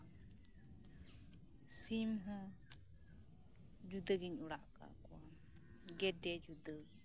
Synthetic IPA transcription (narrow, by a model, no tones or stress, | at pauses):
simɦə | d͡ʒud̪əɡiɲuɽaʔka̰kuam | ɡɛdɛd͡ʒud̪ə